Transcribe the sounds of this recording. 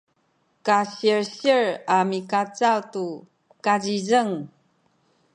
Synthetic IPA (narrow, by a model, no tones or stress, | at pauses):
kaɕiɹɕiɹamikat͡sawtu | kazizəŋ